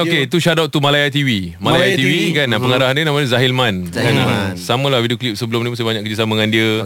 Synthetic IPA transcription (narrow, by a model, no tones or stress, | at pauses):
oket̪uʃadɔʔt̪umalajat̪iwimalajat̪iwikanapəŋaɾaɦandiənamanəzaɦilmãnkanasamə̃lawidioklip̚səbəlʊmnimusabaɲãkəd͡ʒəsamaŋãndiə